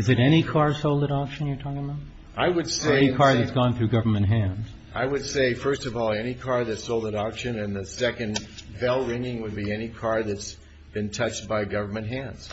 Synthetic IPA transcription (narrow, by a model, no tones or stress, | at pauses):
ɨzɨɾɛɾ̃ikʰɑɹsoʊlˠdəɾɑkʃɨ̃n̩jə˞tʰɔkɪ̃ŋəbaʊt̚ | ʔaɪwɨdseɛnikʰɑɹðɨtsɡ̥ɔ̃nθɹʉɡʌvə˞mɨ̃nt̚ɦæ̃nz̥ | ʔaɪwɨd̥seɪfɜ˞stʌvɔlˠɛnikʰɑɹðɨtsoʊlˠdəɾɑkʃɨ̃nɨ̃nðɨsɛkɨ̃nvɛlˠɹɪ̃ŋɪ̃ŋwəd̚biɛnikʰɑɹðɨts | b̥ɨ̃ntʰʌt͡ʃt̚b̥aɪɡʌvə˞mɨ̃ntɦæ̃nz̥